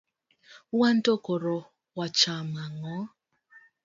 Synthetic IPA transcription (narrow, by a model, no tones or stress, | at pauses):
wantokoɾɔ | wat͡ʃamaŋɔ